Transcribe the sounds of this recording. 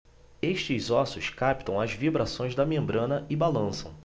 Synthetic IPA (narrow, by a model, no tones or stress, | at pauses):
eʃt͡ʃɪzɔsʊskapt̪ɐ̃w̃ɐzvibɾasõj̃zd̪ɐmẽmbɾɐ̃nɐɪbalɐ̃sɐ̰̃w̃